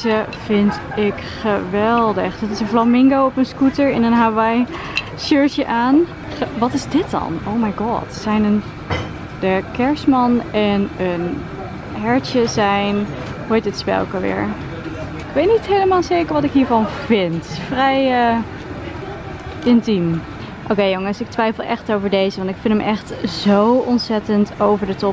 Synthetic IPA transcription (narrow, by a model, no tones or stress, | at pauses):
ə | vɪnt | ɪk | χəʋɛlˠdə̰χd̥ɔtɪsənflamɪŋɡowɔpənskutəɹɪnənɦaʋaj | ʃøɹtjəʔaːn | ʋɑtɪzdɪt̚dɑ̰noʊmajɡɑ̰tsɛjnən | dəkɛɹsmɑnɛnən | ɦɛɹtjəzɛjn | hojtətspɛ̰lˠkəʋɪ̰ːɹ | ɪkʋejtnitɦejləmaːlˠsejkəɹʋɑtɪkɦiːɹvɑnv̥ɪntfrɛjə | ʔɪntim | ʔokejoŋəsɪk̚tʋɛjfəlˠʔɛxtowvəɹdejzəʋɑntɪkfɪnəmʔɛxtz̥owʔɔnsɛtəntowvəɹdətɔ